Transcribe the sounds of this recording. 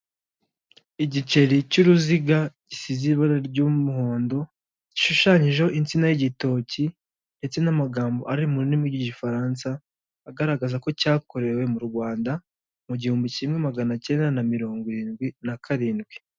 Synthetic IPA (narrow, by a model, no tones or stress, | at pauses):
iɟit͡ʃe̞ɾicuɾuziɡaɟisiziβaɾaɾɟumuho̞ːndo̞ | ɟ̥iʃuʃaɲiʒehoʔint͡sinajiɟito̞ci | nde̞t͡se̞namaɡaːmbo̞ʔaɾimuɾinimwiɟiɟifaɾaːnsaː | ɡaɾaɡazako̞caːko̞ɾe̞we̞muɾɡwaːnda | muɟihuːmbicimŋe̞maɡanace̞ːndanamiɾo̞ːŋɡwiɾiːnɡwinakaɾiːnɡwi